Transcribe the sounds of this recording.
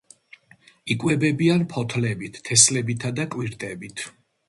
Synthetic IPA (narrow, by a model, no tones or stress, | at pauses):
ikʼwɛbɛbianpʰɔt̪ʰlɛbit̪ʰt̪ʰːɛslɛbit̪ʰad̪akʼwiɾt̪ʼɛbit̪ʰ